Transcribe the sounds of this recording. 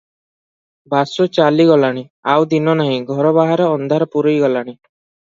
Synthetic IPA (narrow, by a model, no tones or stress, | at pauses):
basɔt͡ʃaliɡɔlaɽ̃iawd̪inɔnaɦĩɡʱɔɾɔbaɦaɾɔːnd̪ʱaɾɔpuɾojɡɔlaɽ̃i